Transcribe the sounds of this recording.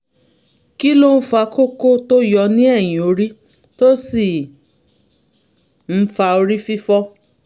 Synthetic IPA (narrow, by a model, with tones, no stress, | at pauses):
ki˦lo˦n̩˦fa˧ko˦ko˦to˦jɔ˧nĩ˦ɛ˦˨j̃ĩ˨o˧ɾi˦ | to˦si˦˨ | n̩˧˦fa˧o˧ɾi˦fi˦fɔ˦